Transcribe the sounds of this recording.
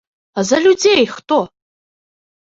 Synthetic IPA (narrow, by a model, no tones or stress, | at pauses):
azɐlʲud͡zejxtʼo